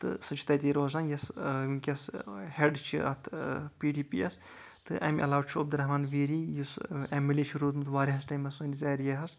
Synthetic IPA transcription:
t̪ɨ̰sɨt͡ʃʰit̪ɐjt̪iːɾoːzaːnjɐsjuŋkʲɐsheɖt͡ʃʰḭʔɐ̰t̪ʰpiːɖiːpḭːɐ̰s | t̪ɨʔɐ̰mʲʔɐlaːʋwɐt͡ʃʰuɐb̚d̪uɾɐɦmaːnʋiːɾiːjusemːilʲiːt͡ʃʰiɾoːt̪mɨt̪ʰʋaːɾiɦɐsʈɐjmɐsonizɐːɾjɐɦɐs

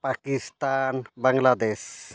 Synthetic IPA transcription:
pakist̪anbaŋlad̪es

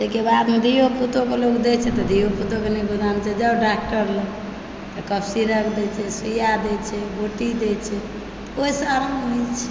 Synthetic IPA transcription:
d͡ʒɛkebad̪med̪ijoput̪okeloɡd̪ɛt͡ʃʰɛt̪ɔd̪ʱijoput̪okenɛɡud̪amt͡ʃʰɛd͡ʒəɖak̚ʈəɾlə | t̪ɔkəbsiɾəkʰd̪ɛt͡ʃʰɛsijad̪ɛt͡ʃʰɛboʈid̪ɛt͡ʃʰɛ | t̪ɔoisəaɾmnɛt͡ʃʰɛ̥

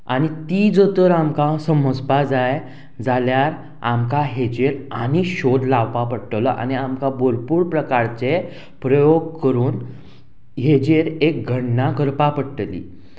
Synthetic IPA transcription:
añit̪iːd͡zot̪əɾamkãsəməd͡zpad͡zaj | d͡zaljaɾ | a̰mkaɦed͡ʑeɾa̰ñiɕod̪laʋpapəɽʈəlɔʔa̰ñiamkaboɾpuːɾpɾəkaɾt͡se | pɾəjoɡkəɾuːn | ɦed͡ʑeɾek̚ɡʱəɳnakəɾpapəɽʈəlḭː

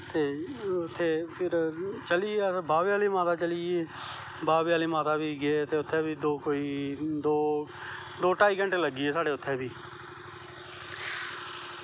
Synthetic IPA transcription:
t̪eːʊt̪ʰːeːpʰɪɾt͡ʃəliebaːbjaːliːmaːt̪aːt͡ʃəlieː | baːbjaːliːmaːt̪aːbiːɡeːt̪eːʊt̪ʰːeːbiːd̪oːkoːiːd̪oː | d̪oːʈaːiːkə̃ɳʈeːləɡːiːeːsaːɽeːʊt̪ʰːeːbiː

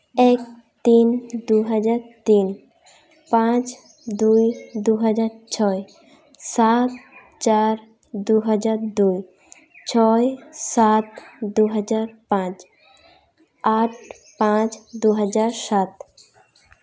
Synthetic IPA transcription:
ek̚ | t̪ind̪uɦad͡ʒaɾt̪in | pãt͡ɕ | d̪ujd̪uɦad͡ʑaɾt͡ɕʰɔe | sat̪ | t͡ʃaɾ | d̪uɦad͡ʑaɾd̪uj | t͡ɕʰɔesat̪d̪uɦad͡ʒaɾpãt͡ɕ | aʈ | pãt͡ɕd̪uɦad͡ʒaɾsat̪

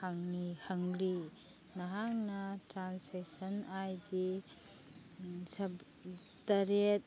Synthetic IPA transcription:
haŋnihɐŋli | nɐɦaŋnɐtɾanseksɐnajdi | sɐb | tɐɾet̚

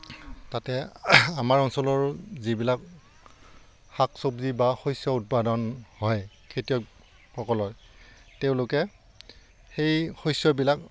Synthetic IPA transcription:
tatɛamaɹɔnsɔlɔɹzibilak | xaksobzibaxojsjɔut̚padɔnhɔj | kʰetijɔ | pʰɔkɔlɔɹ | teʊ̃lʊkɛ | xejxɔjsjɔbilak

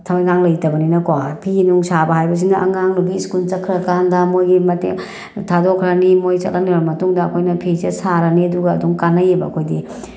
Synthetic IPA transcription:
tʰɐmajŋaŋlɐjtɐbɐninɐkwapʰiinuŋsabɐɦajbɐs̬indɐʔɐŋaŋnubiskult͡ʃɐkʰɾɐkandɐmojɡimɐtḛ | tʰadokʰɾɐnimojt͡ʃɐ̰t̚lɐnibɐmɐtuŋdɐːkʰojnɐpʰisesaɾɐniɐduɡɐɐduŋkanɐjebɐɐkʰojdi

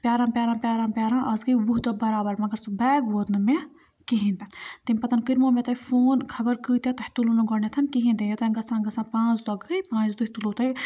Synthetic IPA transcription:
pjaːɾãːmpʲjaːɾãːpʲjaːɾãːmpʲjaːɾãːʔɐsɡɐjbuɦd̪obɐɾaːbɐɾmɐɡɐɾsubɛːɡboːd̪nɨme | kiɦĩnd̪ɐnt̪imʲpɐt̪ɐnkiɾmoːmẽt̪ɐifoːnkʰɐbɐɾkɨːt̪et̪ɐhi̥t̪ulunuɡɔnet̪ʰɐnkiɦĩnd̪ẽjot̪ɐɡɐsãːɡɐsãːpãːt͡ʃd̪ɐɡɐjpãːt͡ʃd̪ut̪ulot̪ɐj

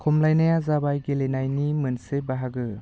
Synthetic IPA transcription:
kʰɔmlajnajazabajɡelenajnimɯnsebaɦaɡɯ

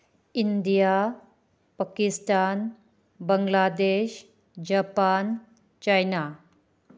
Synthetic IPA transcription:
indija | pakisʈan | bəŋlad̪eɕ | d͡ʒapan | t͡ʃajna

